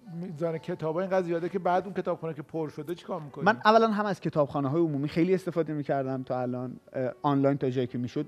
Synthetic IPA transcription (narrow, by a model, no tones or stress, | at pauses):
mizɒːnecʰe̞t̪ʰɒːbɒiŋɡæd̪zijɒd̪ecʰebæːd̪uŋkʲcʰet̪ɒːb̥χuːnekʲʰepʰoɾʃod̪et͡ʃʰi̥kʰɒːɾmikonmænʔævːælænɦæmæz̥cʰe̞t̪ʰɒːbxɒːneɦɒːjeomuːmiːxe̞jliːest̪efɒːd̪emiːcʰæɾd̪æmt̪ʰɒːælɒːnɒːnlɒjnt̪ʰɒːd͡ʒɒːjicʰemiːʃod̪